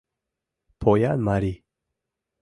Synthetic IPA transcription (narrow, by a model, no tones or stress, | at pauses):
pʰojanmaɾi